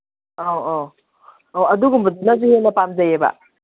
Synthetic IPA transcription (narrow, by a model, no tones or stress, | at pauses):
owo | oɐduɡumbɐdunazuhenɐpamzɐjebɐ̰